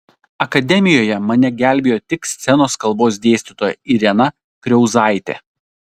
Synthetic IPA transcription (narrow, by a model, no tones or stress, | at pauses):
ɐkɐd̪ʲɛmʲɪjoːjɛmɐnʲɛɡʲæˑlʲbʲeːjoːt̪ʲɪksʲt̪sʲɛnoːskɐlˠboːs̬d̪ʲeːsʲt̪ʲɪt̪oːjɛ̰iɾʲɛnɐ | kɾʲɛʊzɑˑɪt̪ʲḛː